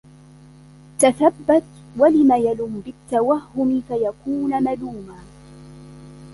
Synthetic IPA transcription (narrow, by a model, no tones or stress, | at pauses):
t̪aθabːat̪ | walɪmaːjalʊmbɪt̪ːawahːʊmɪfajakuːnmaluːmaː